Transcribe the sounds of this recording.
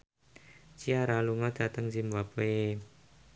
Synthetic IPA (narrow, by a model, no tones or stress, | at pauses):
t͡ʃiaɾaluŋɔd̪̥a̤t̪əŋd͡ʒimwape